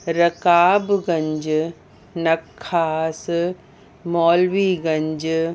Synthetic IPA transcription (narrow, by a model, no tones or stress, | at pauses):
ɾɐkaːbɡɐ̃ɲd͡ʒ | nɐkʰːaːs | mɔːlwiːɡɐ̃ɲd͡ʒ